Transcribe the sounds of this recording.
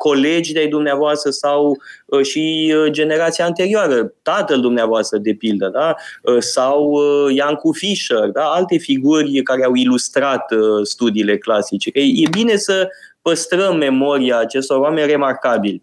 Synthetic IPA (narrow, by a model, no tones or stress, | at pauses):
ko̞le̞d͡ʒilajd̪umneavoast̪ɾəsawəʃid͡ʒe̞ne̞ɾat̪sijaɨnt̪e̞ɾioaɾət̪at̪əld̪umneavoast̪ɾəd̪e̞pild̪əd̪aəsawjaŋkufiʃərd̪aalt̪e̞fiɡurʲkaɾeawilust̪ɾat̪st̪ud̪iːle̞klasit͡ʃe̞kəjebine̞sə | pəst̪ɾəmːe̞mo̞ɾiaːt͡ʃe̞st̪o̞rwame̞nʲre̞markabilʲ